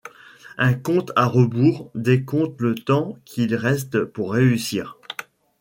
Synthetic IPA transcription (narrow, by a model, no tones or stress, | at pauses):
ɛ̃kɔ̃t̪aʁəbuːʁd̪ekɔ̃t̪lət̪ɑ̃kʲʰilʁɛst̪puʁːeysiːʁ